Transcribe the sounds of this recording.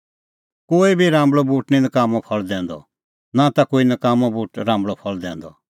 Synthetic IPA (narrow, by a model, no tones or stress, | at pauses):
koːibʱiɾãːmbɭobuːʈninɐkaːmɔ̃pʰɔɭd̪ɛ̃ːnd̪ɔ̰ | nat̪akoːinɐkaːmɔ̃buːʈɾãːmbɭɔpʰɔɭd̪ɛ̰̃ːnd̪ɔ̰